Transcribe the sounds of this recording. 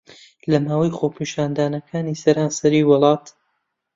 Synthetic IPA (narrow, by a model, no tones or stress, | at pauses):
lɐmaːwɐjχoːpʰiːʃaːnd̪aːnɐkʰaːniːsɐɾaːnsɐɾiːwɨlˠɑːt̪